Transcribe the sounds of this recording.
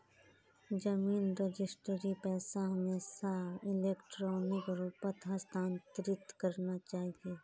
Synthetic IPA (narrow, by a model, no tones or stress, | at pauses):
d͡ʒɐmiːnɾed͡ʒɪsʈəɾipɛːsaɦɐmeːsaɪleːkʈɾɔːnɪkɾuːpət̪ɦɐst̪ãːnt̪ɾɪt̪kɐɾnat͡ʃaːɦieː